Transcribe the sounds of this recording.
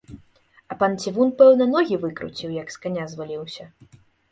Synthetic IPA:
ɐpant͡sʲivunpɛwnɐnɔɣʲivɨkɾṵt͡sʲiwjɐkskanʲazvalʲiwsʲɐ

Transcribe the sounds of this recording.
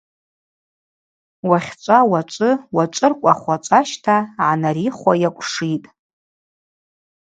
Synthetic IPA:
waχʲt͡ʃʷʼawat͡ʃʷʼɨwaʈ͡ʂʷʼɨrkʷʼaχʷat͡ʃʷʼaʃtʰaʕanaɾiχʷajakʷʼʂitʼ

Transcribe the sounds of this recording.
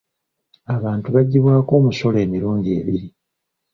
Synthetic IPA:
aβaːntuβaɟːiβwaːko̞ːmuso̞le̞ːmiɾuːɲɟe̞ːβiɾi

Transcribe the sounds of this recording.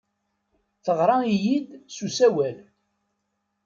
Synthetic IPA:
θəʁɾˤɑijid̪susæwæl

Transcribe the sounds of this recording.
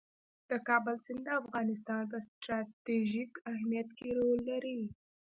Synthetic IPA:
d̪̥əkɑbəlsɪnd̪əafɣɑnɪs̬t̪ɑnpəsʈɾɑt̪eʒikahmijat̪keɾolːaɾi

